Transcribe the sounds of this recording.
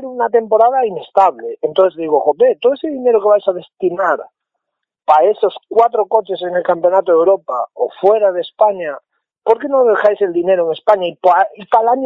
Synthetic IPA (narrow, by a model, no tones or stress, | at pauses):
ɾunat̪empo̞ɾað̞ainest̪aβleent̪õθezðiɣoxopet̪oðoeseðineɾokeβajsað̞est̪inaɾ | paesoskwat̪ɾokot͡ʃeseŋelkampjonat̪oðewɾopao̰fweɾaðespaɲa | poɾkenõðexajseld̪ineɾoeŋespaɲaipaipalaɲo